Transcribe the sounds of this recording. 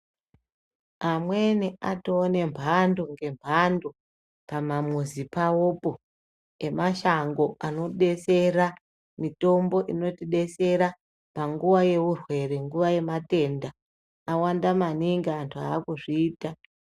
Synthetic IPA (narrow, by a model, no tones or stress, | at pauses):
amwe̞niʔatoːne̞mbʱando̞ŋɡe̞mbʱando̞ | pamamuzipaopo̞ | e̞maʃaŋɡo̞ʔano̞ɗe̞se̞ɾa | mito̞mbo̞ʔino̞tiɗe̞se̞ɾa | paŋɡuʋaje̞ʋurwe̞re̞ŋɡuʋaje̞mate̞nda | awandamaniŋɡaːntʰuaːkuʐiːta